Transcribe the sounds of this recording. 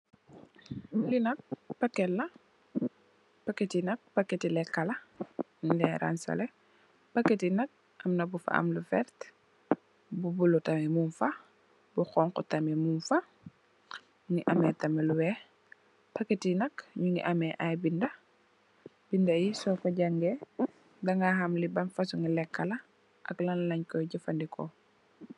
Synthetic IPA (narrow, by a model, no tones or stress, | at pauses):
linɐk̚pɐkːɛlːɐ | pɐkːɛtinɐk̚pɐkːɛtilɛkːɐlɐ | ndɛɾa̰nsɐ̰lɛ | pɐkːɛtinɐk̚ | ʔɐmnɐbufɐ̰ɐ̰mlufɛ̰ɾt | bubulutɐmɛmunfɐ | buxɔŋkɔtɐmɛmunfɐ | ŋiʔɐmɛtɐmɛluwɛ | pɐkːetinɐkɲuŋɡḭʔɐmɛʔajbindɐ | b̥indɐjisɔkɔɟaŋɡɛ | dɐŋɡahɐmlibɐnfɐsuŋilɛkːɐlɐ | ʔɐklɐnlɐɲkɔjɟəfɐndikʰɔ̰